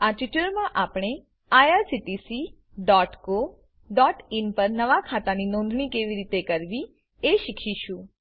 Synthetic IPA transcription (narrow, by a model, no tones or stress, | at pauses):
aʈiʈəɾmãʔapɽ̃e | ajaɾsiʈisi | ɖɔʈko | ɖɔʈinpəɾnəʋakʰat̪aninɔ̃nd̪ʱɳ̃ikeʋiɾit̪ekəɾʋi | eʃikʰiʃũ